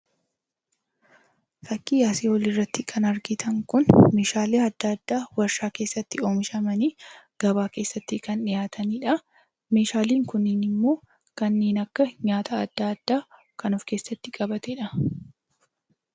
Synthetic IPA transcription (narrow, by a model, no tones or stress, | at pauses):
fɐkːiːjaːseːwɔlɪrːɐt̪ːɪkʰɐnɐɾɡɪt̪ʰɐŋkʊnmeːʃaːleːɐd̪ːɐɐd̪ːaːwɐɾʃaːke̞ːsːɐt̪ːɪo̞ːmɪʃɐmɐniː | ɡ̥ɐβaːke̞ːsːɐt̪ːɪkɐnɪjaːt̪ʰɐniːᶑɐ | me̞ːʃaːliːŋkʊnːɪːnɪmːo̞ː | kɐnːeːnɐkːɐɲaːt̪ɐːd̪ːɐɐd̪̥ːaː | kɐnʊfke̞ːsːɐt̪ːɪkʼɐbɐt̪ɛᶑɐ